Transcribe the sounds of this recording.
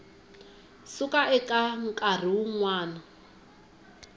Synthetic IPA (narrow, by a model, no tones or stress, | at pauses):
sukʼaʔɛkʼaŋ̩kʼar̤iuŋwaːna